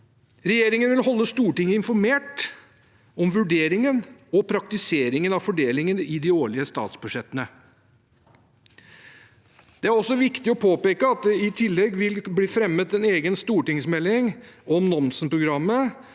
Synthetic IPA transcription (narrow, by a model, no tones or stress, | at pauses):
ɾɛjeːɾɪŋənʋɪlɦɔlːəst̪uːʈɪŋːəɪnfɔɾmeːʈ | ɔmʋʉɖeːɾɪŋənɔpʰɾɑk̚t̪ɪseːɾɪŋənɑʋfɔɖeːlɪŋənɪd̪ɪoːɭɪəst̪ɑ̰ːt̪sbʉʂɛt̪ːənə | d̪̥ɛæɾɔsːɔʋɪkt̪ɪɔpʰoːpeːkəɑt̪̚d̪ɛɪt̪ʰɪlːɛɡʋɪlbliːfɾɛmːət̪ɛneːɡənst̪uːʈɪŋsmɛlːɪŋɔmnɔnsn̩pɾʊɡɾɑmːə